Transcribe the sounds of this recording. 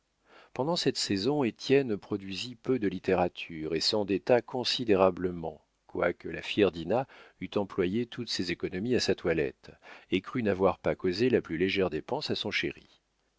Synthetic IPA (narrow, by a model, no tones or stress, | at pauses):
pɑ̃d̪ɑ̃sɛt̪sezɔ̃et̪jɛnpχɔd̪ɥizipød̪əlit̪eʁat̪ʰyʁesɑ̃d̪et̪akʰɔ̃sid̪eʁabləmɑ̃ | kwakəlafjɛʁd̪inayt̪ɑ̃plwajet̪ʰut̪sezekɔnɔmiasat̪walɛ̰t̪ekχynavwaʁpakozelaplyleʒɛʁd̪epɑ̃sasɔ̃ʃeʁḭ